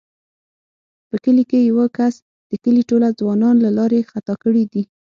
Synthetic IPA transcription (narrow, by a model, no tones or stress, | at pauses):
pəkəlikejawəkas | d̪̥əkəliʈolad͡zwɑnɑnlalɑɾexat̪ɑkəɽid̪i